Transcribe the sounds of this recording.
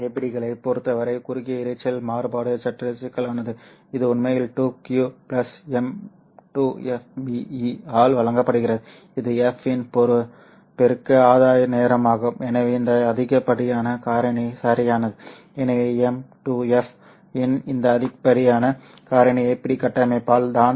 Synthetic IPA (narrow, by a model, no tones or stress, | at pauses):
epːɐɽɪɣɐɭɐɪpɔɾɯt̪ːɐʋɐɾɐɪkʊɾʊɣɪjɐɪɾɐɪt͡ʃːɐlmaːɾɯbaːɽɯt͡ʃɐʈːɐlsɪkːɐɭaːnɐðɯ | ɪðɯʊnmejɪlʈuːkjuplɐsɛm | ʈuːɛfbiiaːlʋɐɭɐŋɡɐpːɐɽɯɣɪrɐðɯ | ɪðɯɛfɪnpɔɾɯ | pɛɾɯkːɯaːðaːjɐneːɾɐmaːɣɯmɛnɐʋeːɪnd̪ɐːðɪɣɐpːɐɽɪjaːnɐkaːɾɐɳisɐɾɪjaːnɐðɯ | ɛnɐʋeːɛmʈuːɛf | ɛnɪnd̪ɐːðɪpːɐɽɪjaːnɐ | kaːɾɐɳiɛpːɐɽikɐʈːɐmɐɪpːaːld̪aːn